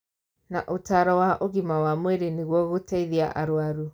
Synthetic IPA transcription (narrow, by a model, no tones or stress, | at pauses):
naʔotaːɾɔwaʔoɣimawamweɾeneɣwɔɣotaiðiaʔaɾwaɾu